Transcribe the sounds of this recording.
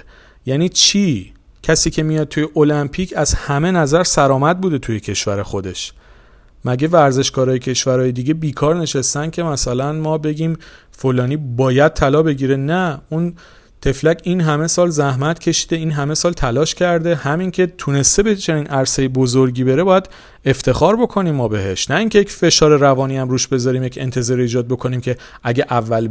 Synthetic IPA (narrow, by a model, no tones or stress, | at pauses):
jæniːt͡ʃʰiː | cʰæsiːcʰe̞mijɒːd̪̚t̪uːje̞ʔolæmpʰicʰæzhæme̞næzæɾsæɾɒːmæd̪̚buːd̪e̞t̪ʰuje̞cʰe̞ʃvæɾe̞xo̞d̪e̞ʃ | mæɟe̞væɾze̞ʃɡɒːɾɒːjecʰe̞ʃvæɾɒːjed̪iɟe̞biːkʰɒːɾne̞ʃest̪æn̥cʲʰe̞mæsælænmɒːbe̞ɟiːmfolɒːniːbɒːjæd̪̚t̪ʰælɒːbe̞ɟiːɾe̞næun | t̪ʰe̞flæcinɦæme̞sɒːlzæhmæt̪cʲʰe̞ʃi̥d̪e̞iːnɦæme̞sɒːlt̪ʰælɒːʃcʰæɾd̪e̞hæmincʲʰe̞t̪ʰune̞st̪ebet͡ʃʰe̞niːnʔæɾse̞jebozoɾɟiːbe̞ɾe̞bɒːjæd̪ | e̞ft̪ʰe̞xɒːɾbo̞kʰo̞niːmːɒːbe̞ɦe̞ʃnæiːŋcʰe̞jecfe̞ʃɒːɾe̞ɾævɒːniæmɾuːʃbe̞zɒɾiːmjecʰe̞nt̪ʰe̞zɒːɾeiːd͡ʒɒːd̪̚bo̞kʰo̞niːmcʰe̞ | ʔæɟeʔævːæl